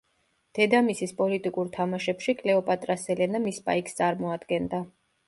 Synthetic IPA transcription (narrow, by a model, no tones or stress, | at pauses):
d̪̥ɛd̪amisispʼɔlit̪ʼikʼuɾt̪ʰamaʃɛpʃikʼlɛɔpʼat̪ʼɾasɛlɛnamispʼa̰ikst̪sʼaɾmɔad̪ɡɛnd̪a